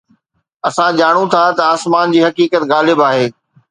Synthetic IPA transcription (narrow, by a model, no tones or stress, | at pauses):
ɐsãd͡ʑaːɽ̃ũt̪ʰat̪ɐaːsmaːnd͡ʑiːɦɐkiːkət̪ɣaːlɪbaːɦeː